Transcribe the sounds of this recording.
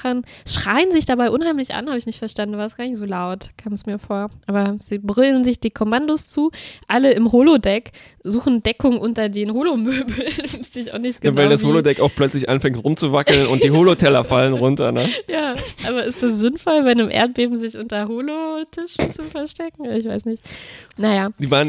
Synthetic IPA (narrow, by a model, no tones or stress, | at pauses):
ənʃʁ̥aɪənzɪçd̥abaɪʔʊnhaɪmlɪçʔa̰nhaːbəɪçnɪçtfɛɐʃtandn̩avaːɐsɡ̥aːɐnɪçtz̥oːlaʊtkʰaːmɛsmiːɐfoːɐʔaːbɐziːbʁɪlənzɪçd̥iːkʰɔmandost͡suːʔaləɪmɦoːlodɛk | z̥uːχn̩dɛkʊŋʔʊntɐdeːnhoːlomøːbl̩sd̥iːɪça̰ʊnɪçtɡ̥əvandashoːlodɛkaʊxplœt͡slɪçʔa̰nfɛŋtʁʊmt͡suvakl̩nʊ̰nt̚d̥iːɦoːlotʰɛlɐ̰falənʁʊntɐnəjaːʔaːβɐʔɪstd̥asz̥ɪnfɔlvaɪnəmʔḛːɐt̚b̥eːbm̩zɪçʔʊntɐɦoːlotʰɪʃn̩t͡sʊfɛɐʃtɛkŋ̩ɐɪçv̥aɪsnɪçtnajaːd̥iːvaːʁn